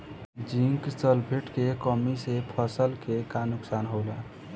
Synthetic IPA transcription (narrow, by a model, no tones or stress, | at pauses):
d͡ʒiŋksəlbʱeʈkekəmisepʰəsəlkekanuksanɦowla